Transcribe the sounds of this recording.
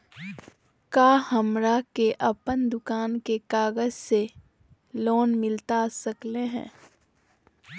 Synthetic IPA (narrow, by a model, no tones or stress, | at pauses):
kaːhɐmɾakeʔɐpənd̪ʊkaːnkekaːɡəzse | loːnmɪlt̪asɐkleɦɛ̰̃ː